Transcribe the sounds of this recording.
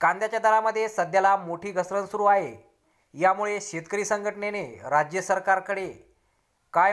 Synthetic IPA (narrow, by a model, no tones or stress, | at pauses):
kand̪jat͡ɕjad̪ʱalaməd̪ʱːjesəd̪ʱjalamoʈʰiːɡʱəsɾənsuɾuːaɦe | jamuɭeɕet̪kəɾiːsəŋɡʱəʈəɳeneɾad͡ʑjəsəɾkaɾkəɽe | ka